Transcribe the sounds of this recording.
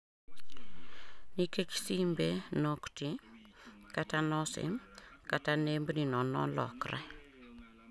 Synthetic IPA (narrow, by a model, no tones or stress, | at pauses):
nikeki̥simbenokti | katanɔsɪ̰mkatanembninɔnɔ̰lɔ̰krɛ̰